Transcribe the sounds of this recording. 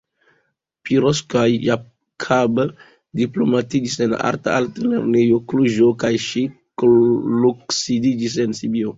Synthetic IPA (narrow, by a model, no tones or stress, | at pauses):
piɾoskajːa | kʰab | diplomatid͡ʒise̞na̰ɾta̰altalḛɾnejokluʒokajʃikluksidid͡ʒis̬e̞nsibio